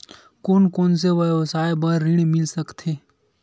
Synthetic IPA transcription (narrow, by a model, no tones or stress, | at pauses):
koːnkoːns̬eʋəʋsaːebəɾːɪɽmɪlsəkt̪ʰeː